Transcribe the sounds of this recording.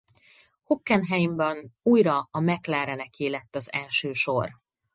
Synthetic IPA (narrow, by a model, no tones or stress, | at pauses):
hokːɛnɦɛjimbɛnuːjɾɒɒmɛklaːɾɛnɛkeːlɛt̪ːɒzɛlʃøːʃo̰r